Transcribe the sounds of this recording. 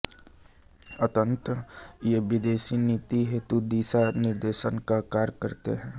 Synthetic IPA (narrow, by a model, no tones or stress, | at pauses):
ət̪ə̃nt̪əjeʋɪd̪eːsiniːt̪iɦet̪ud̪iːsanɪɾd̪eːʃənkakaːɾjkəɾt̪ḛɦɛ̃ː